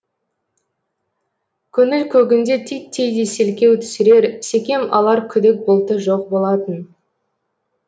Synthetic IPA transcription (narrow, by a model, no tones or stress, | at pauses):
kʲʰʏnɪlkʲʰɵɡʲɪnd̪e̞t̪ʰijt̪ʰːejd̪ese̞lkʲe̞wt̪ʰʏ̥sɪɾe̞ɾse̞kʲe̞mɑ̰lˠɑɾkʲʰʏd̪ɪk̚bolˠt̪əʒoq̚bo̞lˠɑt̪ən